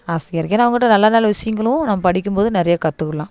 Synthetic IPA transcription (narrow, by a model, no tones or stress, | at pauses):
aːsɪɡɐɾɯkːeːnːaɐʋɐŋɡɐɪʈːɐnɐlːaːnaːlɐʋɪsɐjŋɡɐɭʊ̃nɐmːɐpɐɽɪkʲːɯmpoːðɯnɪɾɐjakɐt̪ːɯkːɯɭːãː